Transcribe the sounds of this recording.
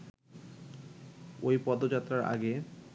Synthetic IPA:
ojpɔd̪od͡ʑat̪ːɾaɾa̰ɡe

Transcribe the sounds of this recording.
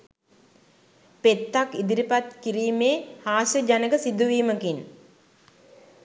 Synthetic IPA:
pet̪ːakid̪iɾipat̪kiɾiːmeːhaːsəd͡ʒanəɡəsid̪uʋiːməkin

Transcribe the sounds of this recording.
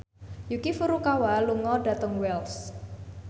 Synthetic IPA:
jukifuɾukawaluŋɔɖ̥a̤t̪ɔŋwɛls

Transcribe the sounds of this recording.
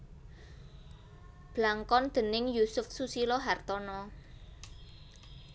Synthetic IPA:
b̥laŋkɔnd̪̥ə̤nɪŋjusʊfsusilɔɦart̪ɔnɔ

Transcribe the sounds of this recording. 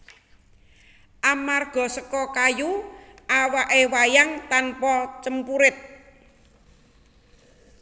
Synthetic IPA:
ʔamarɡ̥ɔ̤səkɔkajuʔawaʔewajaŋt̪anpɔt͡ʃəmpuɾɪt̪̚

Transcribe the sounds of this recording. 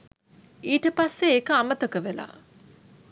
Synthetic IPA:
iːʈəpasːeːkəamət̪əkəʋela̰ː

